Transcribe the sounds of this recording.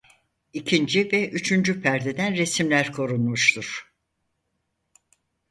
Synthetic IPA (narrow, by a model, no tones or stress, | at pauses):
icʰind͡ʒivɛʔyt͡ʃʰynd͡ʒypʰæɾd̪ed̪ænɾe̞simlʲæɾkʰo̞ɾunmuʃt̪ʰuɾ̥